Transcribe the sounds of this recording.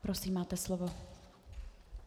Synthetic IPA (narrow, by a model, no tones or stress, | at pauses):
pɾosiːmːaːt̪ɛslovo